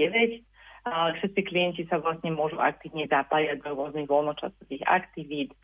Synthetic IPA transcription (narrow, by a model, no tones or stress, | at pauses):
ɛʋɛc | ʂɛt̪st͡siklijɛncisaʋlasɲɛmʊɔʒuʔa̰k̚t̪iːʋɲɛzapajaɟd̪ɔɾʊɔzniɣʋɔlnɔt͡ʃa̰sɔt̪iɣa̰kt̪iʋiːt̪